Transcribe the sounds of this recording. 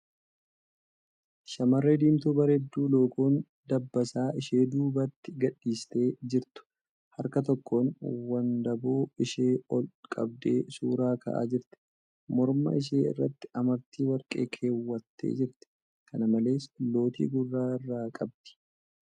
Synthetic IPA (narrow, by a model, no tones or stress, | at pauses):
ʃɐmɐrːeːd̪iːmt̪uːbɐɾɛd̪ːuːlo̞ːkuːn | d̪ɐbːɐsaːʔɪʃe̞ːd̪uːbɐt̪ːɪɡɐᶑːiːst̪e̞ːd͡ʒɪɾt̪ʊ̥ | hɐɾkɐt̪ɔkːoːnwɐnd̪ɐboːɪʃe̞ːɔlkʼɐ̰bd̪e̞̰ːsṵːɾaːkʰɐ̰ʔa̰ːd͡ʒɪɾt̪ɪ̥ | mɔɾmɐ̰ɪʃ̬eːɪ̰rːɐt̪ːɪ̥ʔɐmɐɾt̪iːwɐɾkʼḛːkʰe̞ːwːɐt̪ʰːḛːd͡ʒɪɾt̪ɛ̥ | kɐnɐmɐle̞ːslo̞ːt̪ḭːɡʊrːaːɪrːaːkʼɐb̚d̪̥ɪ̥